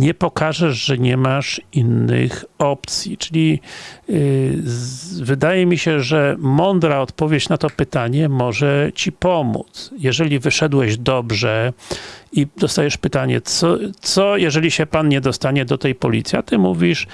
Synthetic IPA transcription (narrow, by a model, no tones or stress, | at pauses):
ɲɛpɔkaʐɛʂʐɛɲɛmaʂinːɘ̰xɔpt̪sʲjit͡ʂɘlʲi | vɘd̪ajɛmʲiɕɛʐɛmɔnd̪ɾaɔt̪pɔvʲjet͡ɕnat̪ɔpɘt̪aɲɛmɔʐɛt͡ɕipɔmṵt̪sjɛʐɛlʲivɘʂɛd̪wɛʑd̪ɔbʐɛ | id̪ɔst̪ajɛʂpɘt̪aɲɛ̰sɔt̪sɔjɛʐɛlʲiɕɛpanɲɛd̪ɔst̪aɲɛd̪ɔt̪ɛjpɔlʲit̪sʲiat̪ɘmuvʲiʂ